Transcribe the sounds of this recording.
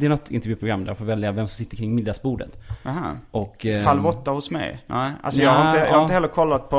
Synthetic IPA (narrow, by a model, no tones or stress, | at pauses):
d̪ɛænɔt̪ːɪ̰nt̪ɛɾjʉːpɾʊɡɾamːd̪æɾfoːvɛljavɛmsɔmsɪt̪ːəɾkʰɾɪŋːmɪd̪asbuːɖə̰t̪haʔɔkːpʰalvɔt̪ːahʊsmɛ̰jʔa̰lsɔjɑɡhaɾɪnt̪əhaɪəɛlːəɾkʰɔlːat̪̚pʰɔ